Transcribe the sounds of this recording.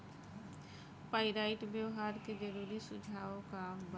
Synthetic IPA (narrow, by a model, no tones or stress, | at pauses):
paːɪɾaːɪʈbjəʊɦaːɾked͡ʒəɾuːɾisʊd͡ʒʱaːõkab